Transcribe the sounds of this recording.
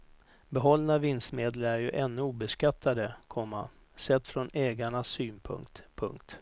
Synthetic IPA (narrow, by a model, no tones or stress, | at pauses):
bɛɦɔlːnavɪnst̪meːd̪ləɾæɾjɵʔɛnːɵuːbɛskat̪ʰːad̪əkʰɔmːa̰ | sɛt̪ːfɾɔnɛːɡaɳasyːnpʰɵ̰ŋkt̪pʰɵ̰ŋkt̪